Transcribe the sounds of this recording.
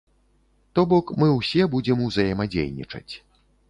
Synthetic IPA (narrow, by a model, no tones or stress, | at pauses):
t̪ɔbɔkmɨwsʲɛbud͡zʲɛmuzɐjɛmad͡zʲḛjnʲḭt͡ʂɐ̰t͡sʲ